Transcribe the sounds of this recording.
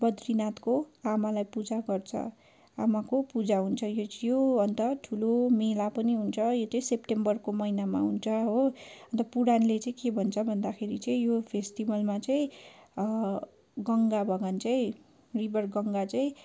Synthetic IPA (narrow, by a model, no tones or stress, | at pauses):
bʌd̪rinat̪koamalajpud͡zaɡʌrt͡sʰʌ̰ | amakopud͡zaɦunt͡sʰʌjojoʌnt̪ʌʈʰulomelapʌniɦunt͡sʰʌjot͡sʌĩsepʈembʌrkomʌinama̰ɦunt͡sʰʌɦoʌnt̪ʌpuɽanlet͡sʌĩkebʱʌnt͡sʰʌbʱʌnd̪akʰeɾit͡sʌĩjopʰesʈibʌlmat͡sʌĩ | ɡʌŋɡabʱʌɡʌnt͡sʌĩ | ribʱʌrɡʌŋɡat͡sʌĩ